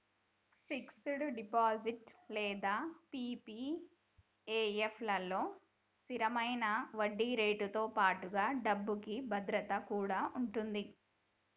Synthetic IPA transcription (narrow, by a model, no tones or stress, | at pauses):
siksuɽuɖipaːd͡ʒiʈlɛːd̪aːpiːpi | eːepʰlɐlo̞ː | siɾɐmɐjnɐʋɐɖːiːɾeːʈut̪oːpaːʈuɡaːɖɐbːukibʱɐd̪ɾɐt̪ɐkuːɽaːʔuɳʈund̪i